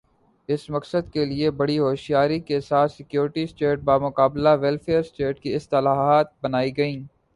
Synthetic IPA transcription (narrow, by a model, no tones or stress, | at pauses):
ɪsmɐksəd̪keliebɐɽiɦoːʃijaːɾikesaːt̪sɪkjoːɾɪʈisʈeːʈ̚baːmʊkaːblaʋɛlfeːɾsʈeːʈ̚kiɪst̪ɐlaːɦaːt̪̚bɐnaːiɡɐĩː